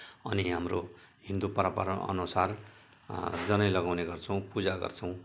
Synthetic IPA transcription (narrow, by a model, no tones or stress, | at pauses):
ʌniɦamro | ɦĩnd̪upʌɾapa̰ɾʌnʌ̰nusar | d͡zʌnʌjlʌɡawneɡʌrt͡sʰʌw̃pud͡zaɡʌ̰rt͡sʰʌ̃w̃